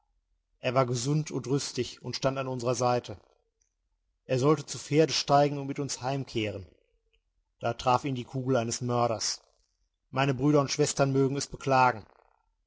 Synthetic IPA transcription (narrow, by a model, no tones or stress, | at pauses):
ʔeːɐvaːɐɡəzʊntʰʊntʁʏstɪçʊntʃtantanʊnzəʁɐzaɪtʰə | ʔeːɐzɔltət͡sufeːɐdəʃtaɪɡŋ̩ʊntmɪtʊnshaɪmkʰeːʁ̞ən | d̥aːtʁ̥aːfiːndiːkʰuːɡl̩aɪnəsmœɐɾɐs | maɪnəbʁyːɾɐʊntʃv̥ɛstɐnmøːɡŋ̩ɛsb̥əkl̥aːɡŋ̩